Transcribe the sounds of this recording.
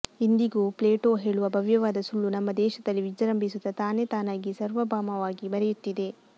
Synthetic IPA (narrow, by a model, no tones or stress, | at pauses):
ind̪iɡuːpleːʈo̞ːɦe̞ːɭuʋɐbʱɐʋjɐʋaːd̪ɐsuɭːunɐmːɐd̪ɛːʃɐd̪ɐlːiʋid͡ʒɐɾɐmbʱisud̪ɐt̪aːne̞t̪aːnaːɡisɐɾʋɐbʱaːmɐʋaːɡibɐɾɛjut̪ːid̪e̞